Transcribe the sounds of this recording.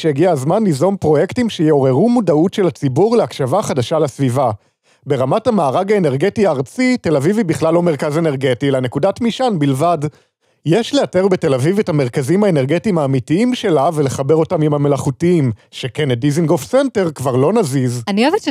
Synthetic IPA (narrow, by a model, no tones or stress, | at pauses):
ʃejeɡiazmanlizo̞npʁo̞je̞ktimʃejeo̞ʁe̞ʁumudautʃe̞lat͡sibuʁleakʃavaχadaʃalasviva | be̞ʁamatamaːʁaɡaene̞ʁɡe̞tiaːʁt͡site̞lavivibiχlalːo̞me̞ʁkaze̞ne̞ʁɡe̞tilane̞kudatmiʃanbilvad | jeʃlejate̞ʁbe̞te̞lavivethameʁkazimhaene̞ʁɡetimaːmitiimʃe̞lavele̞χabe̞ʁo̞tamimhame̞laχutiimʃe̞kenediziŋɡofsente̞ʁkvaʁlo̞nazizanieveʃ